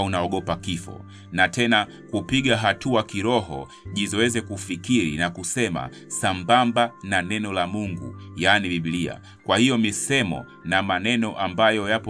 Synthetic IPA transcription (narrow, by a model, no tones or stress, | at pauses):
unaɔɠɔpakifɔ̰ | natɛna | kupiɠaɦatuakiɾɔɦɔ̰ | ʄizɔwɛzɛkufikiɾḭnakusɛma̰ | sambambananɛnɔlamuŋɡṵjaːniɓiɓlia̰ | kwahijɔmisɛmɔ̰ | namanɛnɔʔambajɔjapɔ